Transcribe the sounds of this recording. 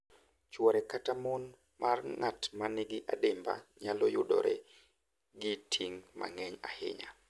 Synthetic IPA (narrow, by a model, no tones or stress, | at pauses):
t͡ʃwɔɾɛkatamon | mʔarŋatmanɪɡɪʔadɪmba̰ɲalɔjʊdɔ̰ɾɛ̰ | ɡɪtʰiŋma̰ŋɛɲahɪ̰ɲa